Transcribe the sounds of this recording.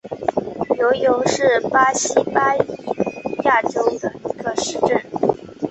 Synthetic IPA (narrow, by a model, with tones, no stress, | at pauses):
jo˧˥ʊjʊ˧˥ʊʂɻ̩˥˩pa˥ɕi˥pa˥y˨˩ja˥˩ʈ͡ʂo˥ʊd̪ə˧˩i˧˥ɡə˥˧ʂɻ̩˥˧ʈ͡ʂə˥˩n